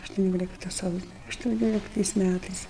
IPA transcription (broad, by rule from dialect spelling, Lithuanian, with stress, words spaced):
ɐʃtʊˈnʲoːlʲɪktɐ ˈsɐʊsʲoː ɐʃtʊˈnʲoːlʲɪktɐɪs ˈmʲætɐɪs